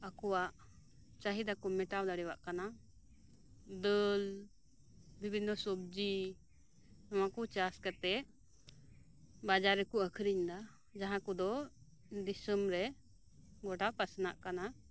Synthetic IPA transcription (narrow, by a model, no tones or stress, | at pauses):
akɔwaʔ | t͡ʃaɦid̪akɔmɛʈawlaɽɛwa̰ʔkana | d̪əl | bibʱinːɔsɔb̚d͡ʒi | ɔwakut͡ʃaskat̪ɛʔ | bad͡ʒaɾːɛkuʔəkʰɾiɲd̪a | d͡ʒaɦãkɔd̪ɔ | d̪isəmɾɛ | ɡɔʈapasna̰ʔkana